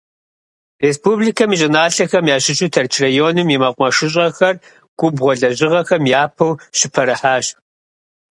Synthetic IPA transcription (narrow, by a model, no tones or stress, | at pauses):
reːspuːbliːkʰɐmiɕʼɪnaːɬɐxɐmjaːɕɪɕʼutʰɐrt͡ʃʰrɐjoːnɨmjimɐqʷmɐʃɪɕ̬ʼɐxɐr | ɡ̥ʷʼʊbʁʷɔɮɐʑɪʁɐxɐmjaːpʰɐwɕɪpʰɐɾɨħaːɕ